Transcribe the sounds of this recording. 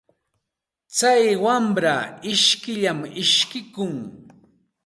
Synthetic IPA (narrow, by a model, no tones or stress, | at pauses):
t͡sajwamɾaɪʃkɪʎamɪʃkɪkʊŋ